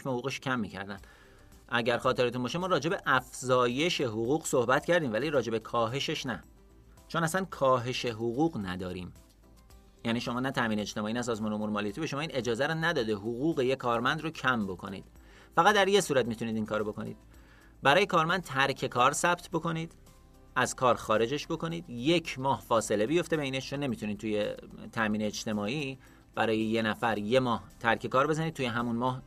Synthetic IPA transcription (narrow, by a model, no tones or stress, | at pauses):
mehoɣuːɣeʃcʰæmːiːcʰæ̰ɾd̪æn | ʔæɟæɾxɒːt̪ʰe̞ɾet̪unbɒːʃemɒːɾɒːd͡ʒe̞be̞ʔæfzɒːje̞ʃe̞ɦoɣuːɣso̞hbæt̪ʰcʰæɾd̪iːmvæliːɾɒːd͡ʒe̞be̞kʰɒːɦe̞ʃeʃnæ | t͡ʃʰo̞næsænkʰɒːɦe̞ʃe̞ɦoɣuːɣnæd̪ɒːɾiːm | jæːniːʃo̞mɒːnæt̪ʰæmiːned͡ʒt̪emɒːinæs̬ɒːzmɒːneomuːnemɒːliːt̪ʰibe̞ʃoɒːiːne̞d͡ʒɒːzæɾɔnæd̪ɒːd̪e̞ɦoɣuːɣe̞jekʰːɒːɾmænd̪rocʰæmbo̞kʰo̞̰nḭːd̪̥ | fæɣæt̪̚d̪æɾje̞suːɾæt̪̚mit̪uniːd̪inkʰɒːɾobo̞kʰo̞̰nḭːd̪̥ | bæɾɒːje̞kʰɒːɾmænd̪̚t̪ʰæɾcʰe̞kʰɒːɾsæb̚t̪ʰbo̞ko̞niːd̪̥ | ʔæz̥kʰɒːɾxɒːɾe̞d͡ʒeʃbo̞kʰo̞niːd̪je̞cʰmɒːhfɒːse̞le̞bijo̞ft̪ebeiːneʃt͡ʃone̞mit̪ʰuniːd̪t̪ʰujet̪ʰæmiːneːd͡ʒt̪e̞mɒːiː | b̥æɾɒːjeje̞næfæɾje̞mɒːht̪ʰæɾcʰe̞kʰɒːɾbe̞zæniːd̪̚t̪ʰuːjeɦæmunmɒːh